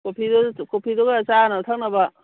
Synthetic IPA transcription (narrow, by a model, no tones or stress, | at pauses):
kopʰidokopʰidoɡaːt͡ʃanatʰak̚nɐbɐ